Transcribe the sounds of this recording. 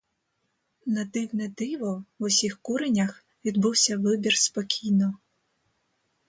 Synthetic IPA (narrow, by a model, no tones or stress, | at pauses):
nɐd̪ɪwnɛd̪ɪʋɔwʊsʲixkuɾenʲɐx | ʋʲid̪buwsʲɐʋɪbʲirspɔkʲʰijnɔ